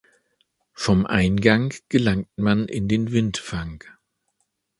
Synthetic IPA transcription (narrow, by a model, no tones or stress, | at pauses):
fɔmʔa̰ɪnɡaŋɡ̥əlaŋtmanʔɪ̰ndeːnvɪntfaŋk